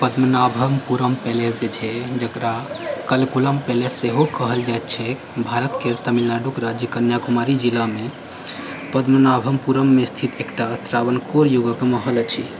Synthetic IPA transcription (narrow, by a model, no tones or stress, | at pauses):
pəd̪mənabʱəmpuɾəmpelesd͡ʒet͡ʃʰɛd͡ʒəkɾakəlkuləmpelesːeɦokəɦəld͡ʒajt̪t͡ʃʰɛ | bʱaɾət̪keɾt̪əmilnaɖukɾad͡ʒjəkənjakumaɾid͡ʒilame | pəd̪mənabʱəmpuɾəmːest̪ʰit̪ʰekʈat̪ɾabənkoɾjuɡəkeməɦələt͡ʃʰḭ